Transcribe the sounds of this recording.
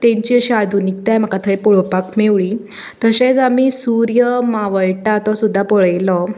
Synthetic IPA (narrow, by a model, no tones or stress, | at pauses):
t̪ẽɲt͡ɕiːəɕiad̪ʱunik̚t̪ajm̤əkat̪ʰəjpuɭpakmeʋɭiː | t̪əɕẽt͡samiːsuɾjəmaʋəɭʈat̪ɔsud̪ʱːapɔɭajlɔ